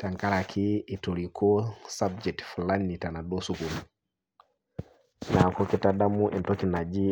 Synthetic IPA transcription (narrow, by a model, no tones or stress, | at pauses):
taŋkaɾakʰiitoɾikɔsab̚d͡ʒɛk̚tfulanːitanaɗɔsukum | nakɔkitaɗamuʔɛntɔkinad͡ʒi